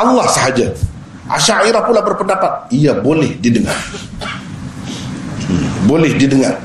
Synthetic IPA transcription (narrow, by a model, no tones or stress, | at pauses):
ɑlːahsəɦad͡ʒa | ʔa̰ʃaiɾahpulabərpəndapat̪̚iabolɛhdidəŋa̰r | bolɛhdidəŋar